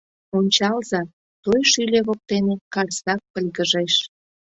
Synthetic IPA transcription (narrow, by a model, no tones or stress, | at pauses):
onʲt͡ɕɑlzɑ | t̪ojʃylʲeβok̚t̪enekɑrsɑk̚pəlʲɣəʒeʃ